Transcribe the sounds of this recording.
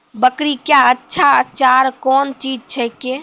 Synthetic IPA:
bəkɾikjaətːʃʰaət͡ʃaɾkɔːnt͡ʃiːd͡ʒt͡ʃʰəke

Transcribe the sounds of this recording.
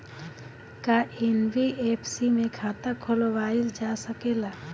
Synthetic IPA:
kaʔenwiepʰsimẽkʰaːt̪akʰoloʋaːɪld͡ʒasəkeːlaː

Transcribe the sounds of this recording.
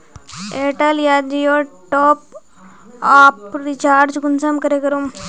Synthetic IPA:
eːʈəljad͡ʒijoʈoːp̚ | apɾit͡ʃaːɾd͡ʒɡunsɐmkɐɾekɐɾum

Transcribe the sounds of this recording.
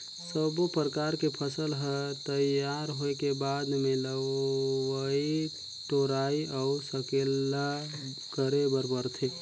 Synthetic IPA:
səbopɾəkaɾkepʰəsəlɦət̪əjaɾɦoekebad̪meləʋəi | ʈoɾaiɔusəkelːa | kəɾebəɾpəɾt̪ʰe

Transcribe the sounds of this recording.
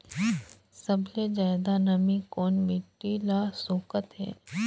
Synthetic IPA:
səbled͡ʒaːd̪anɐmikɔːnmiʈːilasoːkət̪ɦɛ̰ː

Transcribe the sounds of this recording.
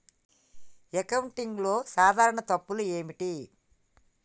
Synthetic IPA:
ekɐwuɳʈiŋɡlo̞ːsaːd̪ʱaːɾɐɳɐt̪ɐpːulueːmiʈi

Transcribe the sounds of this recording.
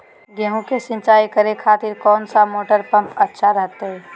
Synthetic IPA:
ɡeːɦũkesɪ̃nt͡ʃaːikəɾekʰaːt̪ɪɾkɔːnsamoːʈəɾpə̃mpətːʃʰaɾəɦt̪eɦɛː

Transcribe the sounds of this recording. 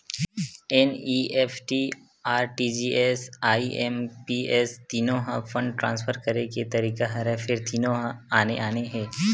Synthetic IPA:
ɛniːɛːfʈi | aːɾʈid͡ʒiːɛsaːiʔɛmpiɛst̪iːnõɦãfʰə̃ɳɖʈɾãːnsfʰəɾkɐɾeket̪ɐɾiːkaɦɐɾəfʰɪɾt̪iːnõɦãaːneʔaːneɦɛ̃ː

